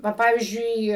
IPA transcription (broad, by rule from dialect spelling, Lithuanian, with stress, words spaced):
ˈʋɐ ˈpɑːʋʲiːzʲd͡ʒʲʊɪ